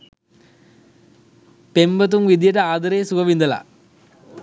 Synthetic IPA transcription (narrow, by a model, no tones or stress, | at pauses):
pembət̪̬umʋid̪ijəʈəaːd̪ɐɾeːsukɐʋind̪əla̰